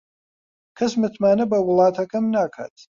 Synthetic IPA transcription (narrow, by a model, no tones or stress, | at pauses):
kʰɐsmɨt̪ʰmaːnɐbɐwɨlˠaːt̪ʰɐkʰʼɐmnaːkʰa̰ːt̪ʰ